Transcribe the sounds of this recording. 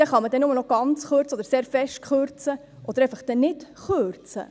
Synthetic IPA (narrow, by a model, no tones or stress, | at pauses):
dɛχɑməd̪ɛnʊmənɔɡ̥ɑnt͡sχøɾt͡səɔd̪əɾseːɾfɛʃtkχøɾt͡sə | ʔɔd̥̪əɾɛɪfəχd̥ɛnɪtχøɾt͡sə̰